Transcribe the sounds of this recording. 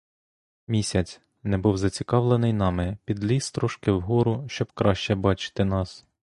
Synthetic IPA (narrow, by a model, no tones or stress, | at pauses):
mʲisʲɐt͡sʲ | nɛbuwzɐt͡sʲikɑʋlˠenɪjnɑmɪpʲid̪lʲist̪ɾɔʃkɪwɦɔɾʊʃt͡ʃɔb̥kɾɑʃt͡ʃɛbɑt͡ʃɪ̥t̪ɪnɑs